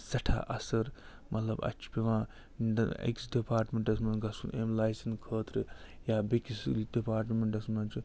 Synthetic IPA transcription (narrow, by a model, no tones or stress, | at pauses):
sɐʈʰa̰ʔɐsɐɾ | mʔɐt̪lɐbɐ̰t͡ʃʰu̥pʲeʋãː | iɳɖɐnḛksɖipaːɾʈmeɳʈɐsmɐnɡɐsunʔemlaːjsɐnkʰəːt̪ɾɨjaːbekislɖipaːɾʈmeɳʈɐsmɐnt͡ʃʰu